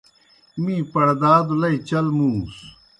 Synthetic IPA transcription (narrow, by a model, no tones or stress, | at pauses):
mĩːpɐɽd̪aːd̪ulɐit͡ɕɐlmuːs